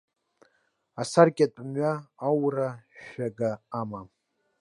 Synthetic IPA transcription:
asarkʲʼat͡pʼmɥaːwraʃaɡaːma

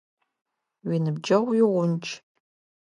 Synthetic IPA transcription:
winɨbd͡ʒɐwjɪʁʷʊnt͡ʃʰʼ

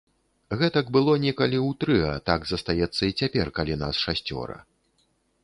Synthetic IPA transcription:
ɣɛt̪ɐɡbɨlˠɔnʲɛkɐlʲiwt̪ɾɨɐt̪aɡzɐst̪ajɛt̪sːɐit͡sʲapʲɛrkalʲina̰sʂasʲt͡sʲɔ̰ɾɐ̰

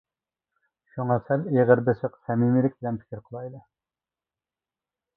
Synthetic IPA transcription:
ʃuŋɑsɛleʁəɾbɪsəqsɛmimilɪk̚ʲbɪlɛmpʰi̥kʲʰɪɾqʰəlˠɑjlˠɨ

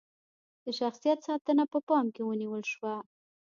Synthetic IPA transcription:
d̪̥əʃaxsijat̪sɑt̪ənapəpɑmkewəniwəlʃwa

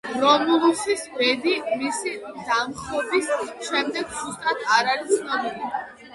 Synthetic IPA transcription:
ɾɔmulˠusisvɛd̪imisid̪amχɔbisʃɛmd̪ɛɡz̥ust̪ʼat̪ʰaɾaɾisʰnɔmili

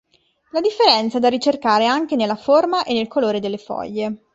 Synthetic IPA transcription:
lad̪ifːeɾɛnt̪sad̪arːit͡ʃerkaːɾeaŋk̟enelːaformaʔenːelkoloːɾed̪elːefɔ̰ʎːe

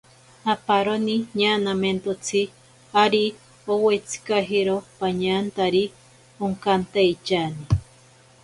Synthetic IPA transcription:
apaɾoniɲaːnament̪ot͡sʰi | aɾi | owet͡si̥kaɦiɾopaɲaːnt̪aɾi | oŋkant̪ajt͡ʃani

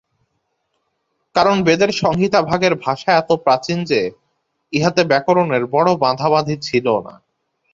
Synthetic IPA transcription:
kaɾonbed̪eɾʃɔŋɡit̪abʱaɡeɾbʱaʃaɛt̪opɾat͡ɕind͡ʑe | iɦat̪ebɛkoɾoneɾbɔɽobãd̪ʱaβad̪ʱit͡ɕʰilona̰

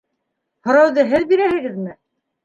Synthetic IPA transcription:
hŏɾɑwðɤɦɘðbiɾæhɘ̆ɡɘðmɘ

